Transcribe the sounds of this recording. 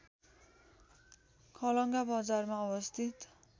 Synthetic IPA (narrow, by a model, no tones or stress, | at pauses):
kʰʌlʌŋɡabʌd͡zarmaʌbʌst̪ʰit̪